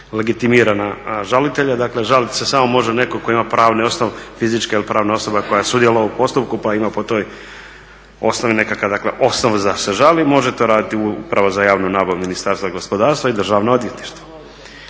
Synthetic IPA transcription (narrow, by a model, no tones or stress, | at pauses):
le̞ɡit̪imiːɾanaʒalit̪eʎad̪akle̞ʒalit̪sesamo̞mo̞ʒenekoko̞imapɾʔaːʋneo̞snoʋfizit͡ʃkailipɾaːʋnao̞so̞bako̞jasud̪jeloʋaupo̞st̪up̚kupaimapo̞t̪o̞ːj | o̞snoʋine̞kakad̪akleʔo̞snoʋzaseʒalimo̞ʒet̪o̞ɾaːd̪it̪iupɾaʋozajaːʋnunaːboɾminist̪aɾst̪vaɡo̞spo̞d̪aːɾst̪ʋaid̪r̩ʒaʋnood̪ʋje̞t̪niʃt̪ʋo̥